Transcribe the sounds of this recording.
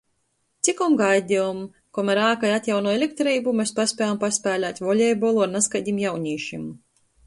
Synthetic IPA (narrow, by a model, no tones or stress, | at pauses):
t̪sikɔmɡajd̪ʲiɔm | kɔmaɾaːkajat̪ʲjawnuɔelʲek̚t̪ɾiːbumʲespasʲpʲɛjampasʲpʲæːlʲaːt̪ʲvɔlʲɛjbɔlˠɔnaskajd̪ʲimjawɲʲiːʃimu